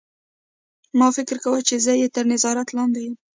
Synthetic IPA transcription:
mɑfɪkɪɾkawət͡ʃezəjet̪əɾnɪzɑɾat̪lɑnd̪ejum

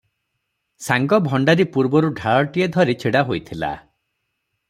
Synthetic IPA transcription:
saŋɡɔbʱɔɳɖaɾipuɾbɔɾuɖʱaɭɔʈied̪ʱɔɾit͡ʃʰeɽaɦojt̪ʰila̰

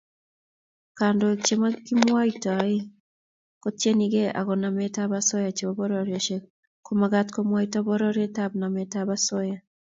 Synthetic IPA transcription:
kaːndot͡ʃemakimwaitae | kotjeniɣeʔa̰ɣɔnametaβasɔjat͡ʃeoβɔɾɔɾjɔt͡ʃe | komaɣatkomwaitɔβɔɾɔɾetaβnametaβasoja

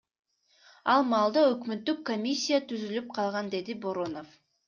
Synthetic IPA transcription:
ɑlˠmɑːlˠd̪ɑøkmøt̪ːykːomʲisʲːijat̪ʰyzylyp̚qʰɑlˠʁɑnd̪e̞d̪ibo̞ɾo̞no̞f

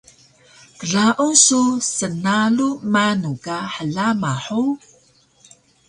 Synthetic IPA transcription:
kəɮaʔususənalumanukaħəɮamaħu

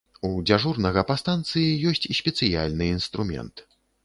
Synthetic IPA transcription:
ud͡zʲaʐurnɐɣɐpast̪ant̪sɨjijɔsʲt͡sʲsʲpʲɛt̪sɨja̰lʲnɨinst̪ɾumʲɛ̰nt̪

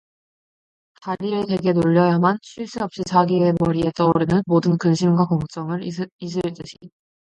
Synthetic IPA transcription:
kaʎːiɾɯtwe̞ɡe̞noʎːʌjamanɕʰiɭs͈ɯʌp̚ɕ͈it͡ɕaɡie̞mʌɾie̞t͈ʌuɾinɯnmodɯnkɯnɕʰimɡwakʌŋt͡ɕ͈ʌŋɯɾis̬ʰɯɭt͈ɯɕʰi

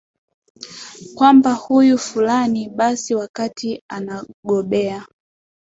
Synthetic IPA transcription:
kwambahujufulaniɓasiwakatʰianaɠɔɓɛa

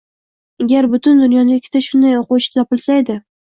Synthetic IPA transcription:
aɡʲaɾbʊt̪ʰʊnd̪ʊnjɒnɪɪkʲʰːɪt̪aʃʊnd̪ajoqʊwʃt̪ʰɒpɪlsajd̪ɪ

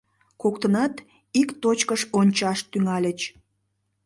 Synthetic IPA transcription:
kokt̪ənɑt̪ | ikt̪ot͡ɕkəʃonʲt͡ɕɑʃt̪yŋɑlʲət͡ɕ

